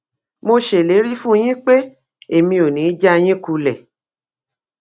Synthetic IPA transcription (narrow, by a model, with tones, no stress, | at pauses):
mo˧ʃe˨le˨˦ɾi˦fũ˦j̃ĩ˦k͡pe˦ | e˦˨mĩ˧o˨nĩ˨˦d͡ʒa˦˧j̃ĩ˦ku˦˧lɛ˨